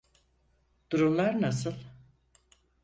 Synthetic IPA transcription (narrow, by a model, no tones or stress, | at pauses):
d̪̥uɾumlˠaɾnasɯlˠ